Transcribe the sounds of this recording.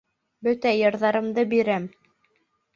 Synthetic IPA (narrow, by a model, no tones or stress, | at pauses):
bɵt̪æjɤ̆ɾðɑɾɤ̆md̪ɤbiɾæm